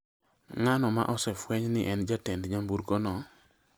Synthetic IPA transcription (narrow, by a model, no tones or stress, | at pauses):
ŋanɔma̰ʔɔsɛfwɛɲnɪʔɛnd͡ʒatendɲambuɾkonɔ